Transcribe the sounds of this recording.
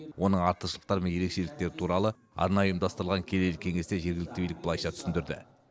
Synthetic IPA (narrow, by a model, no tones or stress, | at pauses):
wo̞nəɴɑɾt̪əʃəlˠəq̚t̪ɑɾmenje̞ɾe̞kʃe̞lɪk̚t̪e̞ɾɪt̪ʰuɾɑlˠə | ɑ̰ɾnɑjəjəmd̪ɑst̪əɾəlˠʁɑŋkʲʰe̞le̞lɪkʲʰe̞ŋe̞st̪e̞ʒe̞ɾɡʲɪlɪk̚t̪ebejlɪk̚b̥lˠɑjʃɑt̪ʰʏ̥sɪnd̪ɪɾd̪ɪ̰